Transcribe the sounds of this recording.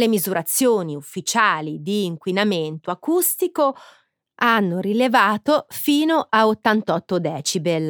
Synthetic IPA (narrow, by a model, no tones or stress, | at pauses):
emizuɾʔat̪sːjoːniufːit͡ʃaːlid̪iːŋkwinament̪oakust̪iko | anːoɾilevaːt̪ofiːnoʔaot̪ːant̪ɔt̪ːod̪ɛːt͡ʃibel